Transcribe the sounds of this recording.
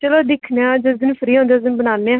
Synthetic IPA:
t͡ʃəloːd̪ɪkʰnaːd͡ʒəzɪnpʰəɾiːɦõːnd̪aːzɪnbənaːnːeːã

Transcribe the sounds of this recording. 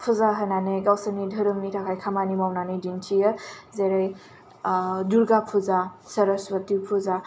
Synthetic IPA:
pʰuzaɦananeɡawsənidʱəɾɯmnitʰakʰajkʰamanimawnanɯjdintʰijəzeɾaj | duɾɡapʰuzasɐɾəswɐtipʰuza

